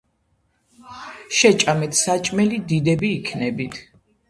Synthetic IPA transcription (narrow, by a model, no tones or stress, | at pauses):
ʃɛt͡ʃʼamɛt̪ʰsat͡ʃʼmɛlid̪id̪ɛbiːkʰnɛbit̪ʰ